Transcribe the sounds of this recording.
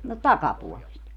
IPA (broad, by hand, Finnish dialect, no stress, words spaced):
no tɑkɑpuolest